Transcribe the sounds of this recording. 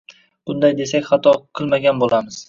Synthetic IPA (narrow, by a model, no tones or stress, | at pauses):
b̥ʊnd̪ajd̪e̞sakʲχat̪ʰɒqʰɨlˠmaɡʲanbolamɪz̥